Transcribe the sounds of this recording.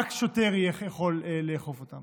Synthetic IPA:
akʃoteʁjeχjaχo̞leːeːχofotam

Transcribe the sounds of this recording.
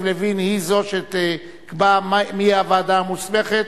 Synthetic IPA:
vlevinhizoʃet̪e | kbamamiavad̪amusmeχet̪

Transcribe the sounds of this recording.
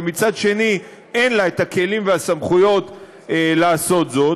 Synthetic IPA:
mit͡sadʃe̞ni | enlaet̪ake̞limveasamχujo̞t̪ | elaːso̞t̪zo̞

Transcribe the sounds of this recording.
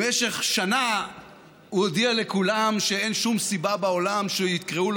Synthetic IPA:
eʃe̞χʃana | uod̪ialekulamʃeenʃumsibabao̞lamʃejit̪̚kʁeul

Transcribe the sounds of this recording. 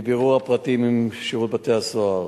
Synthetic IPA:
beʁuʁhapʁat̪imimʃiʁut̪bat̪easoaʁ

